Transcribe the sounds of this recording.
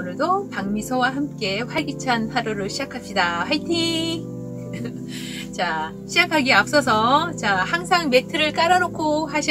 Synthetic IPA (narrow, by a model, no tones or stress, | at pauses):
nɯɭdopaŋmisʰʌwaɦamk͈e̞ɸwaɭɡit͡ɕʰanhaɾoɾɯɭɕʰid͡ʑakʰap̚ɕidaɸajtʰi | t͡ɕa | ɕʰid͡ʑakʰaɡiap̚s͈ʌs̬ʰʌt͡ɕahaŋsʰaŋme̞tʰɯɾɯɭk͈aɾanokʰohaɕʰi